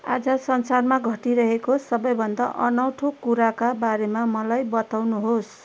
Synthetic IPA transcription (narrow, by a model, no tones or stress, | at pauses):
a̰d͡zʌsʌnsarmaɡʱʌʈiɾʌɦekosʌbʌjbʱʌnd̪aʔʌnawʈʰokuɾakabaɾemamʌlajbʌt̪awnuɦos